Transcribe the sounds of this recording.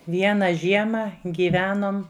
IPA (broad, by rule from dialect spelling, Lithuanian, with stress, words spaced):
ˈʋʲiɛnɐ ˈʒʲiɛmɐ ˈɡʲiːʋʲɛnoːm